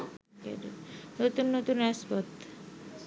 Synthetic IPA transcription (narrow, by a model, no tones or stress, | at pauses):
kḛdḭnot̪unːot̪unaspot̪